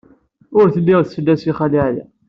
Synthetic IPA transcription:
ʊɾθəlːiʁθfəlːæsiχæliʕjæ̰

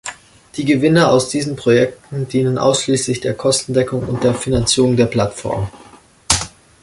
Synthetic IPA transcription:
d̥iːɡəvɪnɐaʊsd̥iːzn̩pʁ̥ojɛk̚tn̩diːnənʔa̰ʊsʃliːslɪçd̥eːɐkʰɔstn̩dɛkʊŋʊ̰nt̚d̥eːɐfinant͡siːʁʊŋdeːɐpl̥atfɔ̰ɐm

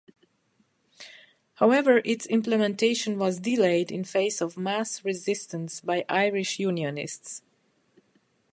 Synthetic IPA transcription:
haʊɛvə˞ʔɪtsɪ̃mpləmɛ̃ntʰeɪʃə̃nwʌzdileɪdɪ̰̃nfeɪsɔvmæsɹɪzɪstə̃nsbaɪʔaɪɹɪʃjunjɨnɪ̰sts

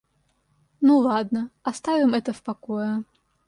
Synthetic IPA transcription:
nulˠad̪̚nɐɐst̪avʲɪmɛt̪ɐfpakɔjɛ

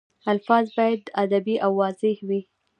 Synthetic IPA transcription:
alfɑzbɑjad̪ad̪abiʔawːɑzɪhwi

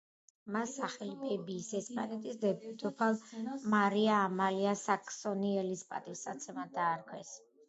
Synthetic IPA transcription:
masaχɛlipʰɛbiːsɛspʼanɛt̪ʼisd̪ɛpʰɛd̪ɔpʰalˠmaɾiaːmaliasakʰʼsɔniɛlispʼa̰t̪ʼifsat̪sʰɛmad̪aːɾkʰwɛs

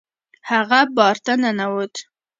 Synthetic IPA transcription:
haɣabɑɾt̪ananawot̪

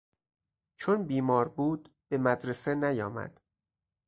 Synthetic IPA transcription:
t͡ʃʰonbiːmɒːɾbuːd̪ | be̞mæd̪ɾesenæjɒːmæ̰d̪̥

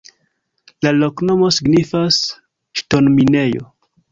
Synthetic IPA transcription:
lalokno̞mo̞siɡnifas | ʃtonmine̞jo̰

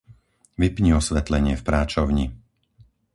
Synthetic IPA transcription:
ʋipɲiɔsʋɛt̪lɛɲɪɛfpɾaːt͡ʃɔʊɲi

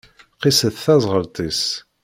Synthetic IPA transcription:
qisəθθæzˤʁəɾt̪ˤis

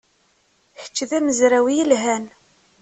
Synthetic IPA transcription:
çə̥t͡ʃːðæməzɾæwijəlɦæn

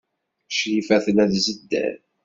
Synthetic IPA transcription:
ʃjifæθənæðzəd̪ːæ̰n

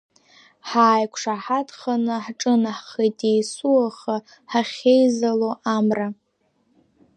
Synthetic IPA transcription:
ħaːjkʷʰʂaħadχanɨħʈ͡ʂʼɨnaħχatʼejsuaχa | ħaχʲejzaloʔamra

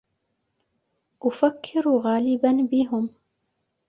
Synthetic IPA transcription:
ʔʊfakʰːɪɾuɣaːlɪbanbɪɦʊm

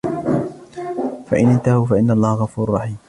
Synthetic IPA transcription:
fa̰ʔɪnʔɪnt̪ahufaʔɪnːaʔlˤːɑːhaɣɑfuːɾʊrˤːɑħiːm

